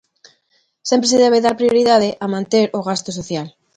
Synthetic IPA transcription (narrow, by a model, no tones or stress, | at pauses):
sje̞mpɾeseðeβ̞eðaɾpɾjoɾiðað̞eʔamãnt̪e̞ɾoɣ̞ast̪os̬oθjal